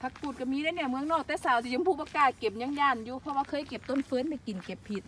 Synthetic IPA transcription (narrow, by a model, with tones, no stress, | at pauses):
pʰa˧k̚puː˧˩t̪̚ka˧˩miː˧˥na˧˨nɛː˧˩˨mɯ˧əŋnɔː˧˩k̚t̪ɛː˧˩saː˨˦wsʰi˧˩˧ŋpʰu˧˩paː˧kaː˨˧˩t̪̚ke˨˩p̚ɲa˧˥˨ŋjaː˧˩njuː˧pʰɔ˧waː˧kʰɤː˧˨jke˨˧˩p̚t̪o˧˥˨nfɤː˧˥˨nma˧˨ki˨˩nke˨˧ppʰːi˧˩t̪̚